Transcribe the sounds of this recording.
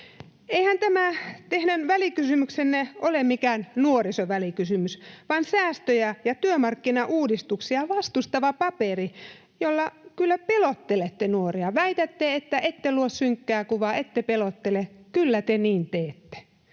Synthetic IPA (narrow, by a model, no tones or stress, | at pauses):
eihænt̪æmæt̪ehnænʋælikysymyksenːeʔolemmikæːnnuorisoʋælikysymysʋɑnsæːst̪øjæjɑt̪yømɑrkːinɑʔuːdist̪uksiɑʋɑst̪ust̪ɑʋɑpɑperi | jolːɑkylːæpelot̪ːelet̪ːenuoriɑʋæit̪æt̪ːeet̪ːæʔet̪ːeluossyŋkːæːkuʋɑet̪ːepelot̪ːelekylːæt̪eniːnt̪eːt̪ːe̥